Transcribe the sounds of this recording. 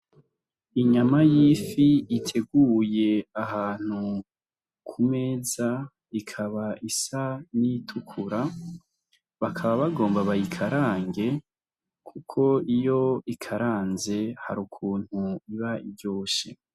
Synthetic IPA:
iɲamajifiːtʰe̞ɡuːje̞aɦaːn̥hu | kʰume̞ːza | ikʰaβaʔisanitʰukʰuɾa | βakʰaβaβaɡo̞ːmbaβajikʰaɾaːŋɡe̞ | kʰukʰo̞ijo̞ikʰaɾaːnze̞ha̰ɾukʰuːn̥huiβaʔibɟo̞ːʃḛ

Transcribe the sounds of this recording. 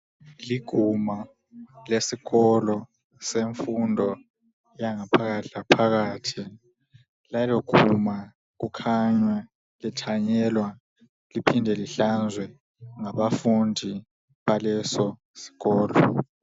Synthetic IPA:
liɡ̥ʱuma | lesiɣɔlɔ | seɱfundʱɔ | jaŋapʰaɣatʰapʰaɣaːtʰi | lajɔɡ̥ʱuma | k̬ukʰaɲwɛ | litʰaɲɛlwa | lipʰindʱɛliɬand͡zʱwɛ | ŋaβafundʱi | ɓalɛsɔ | si̥ɣɔːlɔ̰

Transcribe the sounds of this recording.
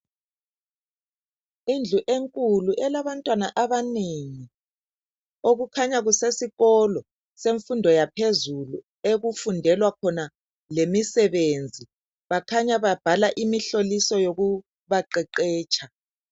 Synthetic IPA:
ind͡ɮʱuʔeŋkʼuluʔɛlaβantʼwanaʔaβaneːŋi | oɣukʰaɲaɣusesiɣɔlɔ | seɱfundʱɔjapʰezulu | eɣufundʱɛlwakʰɔna | lemisɛβend͡zʱi | βakʰaɲaβab̥ʱalaʔimiɬolisɔjoɣu | βaǃɛǃɛːt͡ʃʰʼa

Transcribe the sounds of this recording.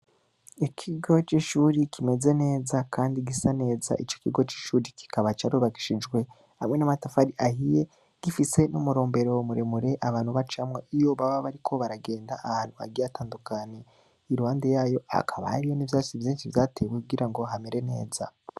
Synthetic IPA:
ikʰiɡo̞t͡ʃiːʃuɾikʰime̞ze̞ne̞ːzakʰaːndiɡisane̞ːza̰ʔit͡ʃo̞̥kiɡo̞t͡ʃi̥ːʃuːɾiki̥kaβat͡ʃaɾuβaki̥ʃid͡ʒɡwe̞ | hamŋe̞namatafaɾiʔahije̞ | ɡ̥ifisenumuɾo̞ːmbe̞ɾo̞muɾe̞muɾe̞ʔaβaːnhuβat͡ʃamŋeijo̞βaβaβaɾikʰo̞βaɾaɡe̞ːndaʔahaːn̥hua̰ɡiataːndukane | iɾuhaːnde̞jaːjo̞a̰kʰaβa̰aɾijo̞nivjaːt͡ʃivjiːnʃivjaːtʰe̞wekuɡiɾaŋɡo̞ɦame̞ɾe̞ne̞̰ːza̰

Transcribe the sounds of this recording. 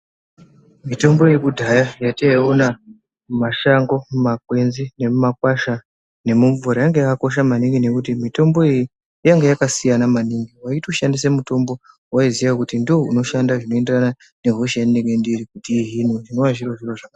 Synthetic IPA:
mito̞mbo̞jekudʱajajataiuna | maʃaŋɡo̞mmakwe̞nzine̞mumakwaʃa | ne̞muɱvuɾajaŋɡejakako̞ʃ̬amaniŋɡine̞kutimito̞mbo̞iji | jaŋɡejakasijanamaniŋɡiwaitoʃandis̬emuto̞mbo̞ | waizijakutindoouno̞ʃandaʐino̞e̞nderana | ne̞ɦoʃanineŋɡe̞ndiɾikutiːɦinoʐino̞waʐiroʐiroʐaka

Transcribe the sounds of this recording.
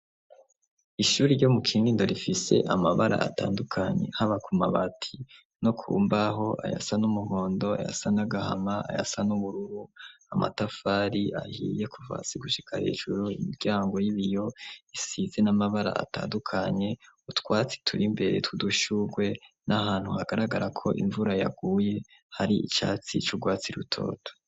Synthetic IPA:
iʃuːɾiɾɟo̞mukʰiːndindo̞ɾifise̞̰ʔamaβaɾa̰a̰ta̰ːndukʰaɲḛhaβakʰuma̰βatʰi | no̞kʰṵmbaɦo̞ʔa̰ja̰sanumuho̞ːndo̞a̰ja̰sanaɡaha̰maa̰ja̰sanuβuɾuɾuamʔa̰tafaːɾiahije̞kʰuva̰siɡuʃi̥kʰahḛːʒuɾuimiɾɟaːŋɡo̞jiβijo̞isize̞namaβaɾa̰ʔa̰ta̰ːndukʰaɲe̞utkwaːt͡si̥tʰuɾimbe̞ɾe̞̰tuduʃuɡwe̞nʔahaːn̥huhaɡaɾaɡaɾakʰo̞̰ʔḭɱvuɾajaɡ̥uːje̞ | haɾiit͡ʃa̰ːt͡sit͡ʃuɡwaːt͡siɾutʰo̞̰ːtʰo̥

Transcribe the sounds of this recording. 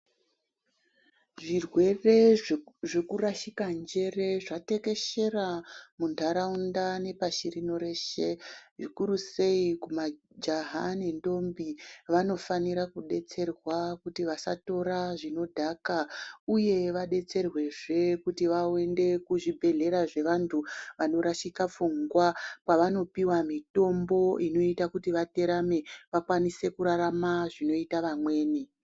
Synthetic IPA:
ʐirwe̞re̞ʐekuraʃikand͡ʒe̞re̞ʐate̞ke̞ʃe̞ramundʱaɾaundane̞paʃirino̞ɾe̞ʃe̞ʐikuɾuse̞ikuma | d͡ʒaɦanendo̞mbiʋano̞faniɾakuɗe̞t͡se̞rwakutiʋasa̰to̞ɾaʐino̞dʱakauje̞ʋaɗe̞t͡se̞rwe̞ʐe̞kutiʋawe̞nde̞kuʐibʱe̞ɮe̞ɾaʐe̞ʋantʰuʋano̞ɾaʃikap͡fuŋɡwapaʋano̞piwamito̞mbo̞ino̞itakutiʋate̞ɾame̞ʋakwanise̞kuɾaɾamaʐino̞itaʋamwe̞ːne

